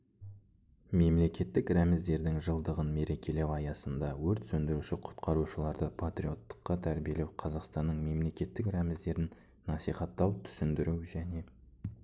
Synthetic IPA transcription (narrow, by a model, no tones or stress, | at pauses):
me̞mle̞kʲe̞t̪ːɪkɾæmɪzd̪e̞ɾd̪ɪŋʒəlˠd̪əʁənme̞ɾe̞kʲʰe̞le̞wɑjɑsənd̪ɑwɵɾt̪sɵnd̪ɪɾuʃɪqʰʊ̥t̪qʰɑɾuʃəlˠɑɾd̪əpʰat̪ɾio̞t̪ːə̥qːɑt̪ʰæɾbije̞le̞wqʰɑzɑqst̪ɑnːəɴme̞mle̞kʲe̞t̪ːɪkɾæmɪzd̪e̞ɾɪn | nɑsijχɑt̪ːɑwt̪ʰʏ̥sɪnd̪ɪɾuwʒæne̞